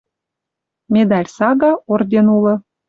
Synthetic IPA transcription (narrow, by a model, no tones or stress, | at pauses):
mʲed̪ɑlʲsɑɡɑord̪ʲenulɤ̆